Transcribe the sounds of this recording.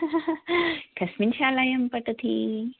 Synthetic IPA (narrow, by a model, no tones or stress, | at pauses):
kʰɐsminɕaːlajɐmpɐʈɐt̪ʰi